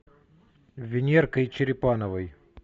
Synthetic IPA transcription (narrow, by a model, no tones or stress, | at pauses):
vʲɪnʲerkəjt͡ɕɪɾʲɪpanəvəj